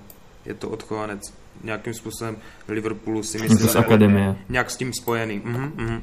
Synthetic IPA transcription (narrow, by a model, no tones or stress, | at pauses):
jɛ̰t̪oʔot̪xovanɛt͡s | ɲɛakiːmspuːsobɛm | lɪvr̩ɾpulusɪmɪsɛt̪osakadɛmɪjɛɲɛaksciːmspo̞jɛniːm̩ɦ̩ɦ̩